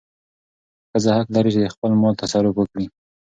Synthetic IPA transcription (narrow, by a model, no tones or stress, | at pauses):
kəzəhaklaɾit͡ʃɪd̪əxpəlmɑlt̪asaɾʊfwəkɽi